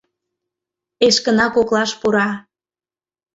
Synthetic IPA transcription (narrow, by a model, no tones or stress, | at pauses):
eʃkə̆nɑkoklɑʃpuɾɑ